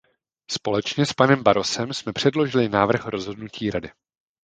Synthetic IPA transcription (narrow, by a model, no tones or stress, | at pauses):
spo̞lɛt͡ʃɲɛspanɛmbaɾo̞sɛmsmɛpr̝̥ɛdlo̞ʒɪlɪnaːvr̩xɾo̞zɦo̞dnuciːɾadɪ